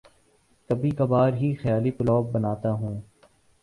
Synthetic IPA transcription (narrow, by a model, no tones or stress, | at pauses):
k̪ɐbʱikɐbaːɾɦixɐjaːlipʊlɔːb̚ːɐnaːt̪aɦũː